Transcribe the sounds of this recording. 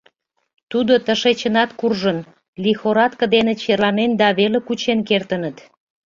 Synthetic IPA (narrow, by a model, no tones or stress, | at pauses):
t̪ud̪ot̪əʃet͡ɕənɑt̪kurʒən | lixoɾɑt̪kə̆d̪enet͡ɕerlɑnend̪ɑβelekut͡ɕenkert̪ənət̪